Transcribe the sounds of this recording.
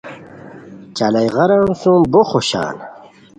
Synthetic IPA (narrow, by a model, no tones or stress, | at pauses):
t͡ɕalɐjʁɐɾansũmboχoɕa̰ːn